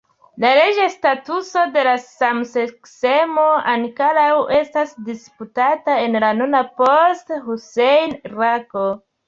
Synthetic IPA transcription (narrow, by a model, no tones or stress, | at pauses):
laɾed͡ʒastatuso̞de̞lasamseksemo̞ankaɾawe̞stasdisputatae̞nlanonaposthusejnɾako